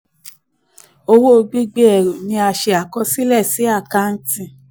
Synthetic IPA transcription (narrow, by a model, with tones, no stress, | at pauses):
o˧wo˦˧ɡ͡bi˦ɡ͡be˦ɛ˨ɾo˨nĩ˧a˧ʃe˧a˨kɔ˧si˦lɛ˦˨si˨˦a˦˨ka˧n̩˦tĩ˧˨